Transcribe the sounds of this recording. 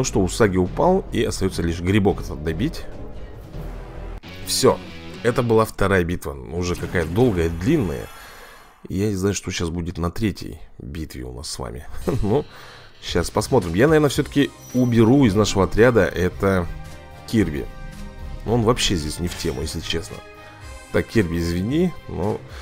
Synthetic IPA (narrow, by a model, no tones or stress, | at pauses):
noʂt̪o̞ʊsaɡʲɪʊpalˠiɐst̪ɐjo̞t̪səlʲiʂɡɾʲɪbo̞kɛt̪əd̪ɐbʲitʲ | fsʲoɛt̪əbɨlˠaft̪ɐɾajəbʲit̪vənʊʐɛkɐkajəd̪o̞lˠɡəjəd̪lʲinːə̰jə̰ | ḭjanʲɪznajʊʂt̪oɕasbudʲɪt̪nɐt̪ɾʲetʲjə̰jbʲit̪vʲɪ̰ʊ̰na̰sːva̰mʲɪ̰nu | ɕaspɐsmo̞t̪ɾʲɪmjanɐvʲeɾnəfsʲɵt̪ə̥kʲɪ | ʊbʲɪɾuɪznaʂɨvəɐt̪ɾʲad̪əʔɛt̪ə | kʲirvʲɪ̰ | noo̞nvɐpɕːezʲdʲesʲnʲɪftʲʰe̞mʊ̰jesʲlʲɪt͡ɕe̞snə̰ | t̪akkʲirvʲɪɪzvʲɪnʲino̰